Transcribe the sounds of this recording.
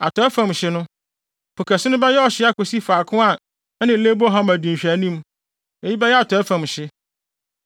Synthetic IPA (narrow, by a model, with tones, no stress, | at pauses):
a˨tʰɔ˨˦ɛ˦fã˨mɕɪ˦nʊ̃˦ | pʰo˨kʰæ˨sɪ˦nʊ̃˦bɛ˦jɛ˦ɔ˦˨ɕɪ˦a˦ko˨si˦faː˨kʰʊ̃˦a˦˨˦ | nɪ̃˨˦le˦bɦã˦mæ˨dĩ˨ɕᶣæ˨nĩ˦m | e˨ji˦bɛ˦jɛ˦a˨tʰɔ˨ɛ˦fã˨mɕɪ˦